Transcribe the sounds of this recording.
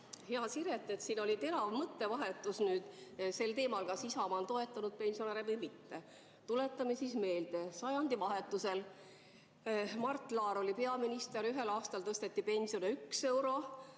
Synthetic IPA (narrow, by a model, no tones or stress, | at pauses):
heɑsiɾet̪ːˑet̪siːno̞lʲit̪e̞nɑvmɤt̪ːe̞vɑɦe̞t̪ːˑusnyːd̪̥se̞lt̪e̞ːmɑlkɑsisɑmɑnt̪o̞e̞t̪ːˑɑnud̪̚pe̞nʲsioneɾevɤjmit̪ːe̞ | t̪ule̞t̪ˑːɑme̞sisme̞ːld̪̥esɑjɑnd̪̥ivɑɦe̞t̪ːˑuse̞l | mɑrt̪ːˑlɑːɾo̞lʲipe̞ɑminist̪e̞ɾyɦe̞lɑːst̪ɑlt̪ɤst̪e̞t̪ːipe̞nʲsio̞neykse̞wɾo̞